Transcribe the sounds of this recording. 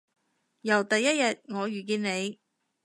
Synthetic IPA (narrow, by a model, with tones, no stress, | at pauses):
jɐ˨˩wt̪ɐ˨jːɐ˥t̚jɐ˨t̚ŋɔː˨˧ɥyː˨˩k̬iː˧nne˨˧j